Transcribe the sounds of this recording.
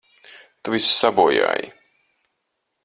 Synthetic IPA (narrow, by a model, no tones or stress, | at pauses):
t̪uvissabuɔja̰ːjḭ